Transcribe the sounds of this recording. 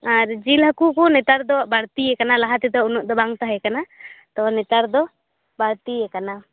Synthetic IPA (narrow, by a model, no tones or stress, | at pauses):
aɾd͡ʒilɦakukunɛt̪aɾd̪ɔbaɽt̪iɛkanalaɦat̪ɛd̪ɔunuʔd̪ɔbaŋt̪aɦɛkanat̪ɔnɛt̪aɾd̪ɔ | baɽt̪iɛkana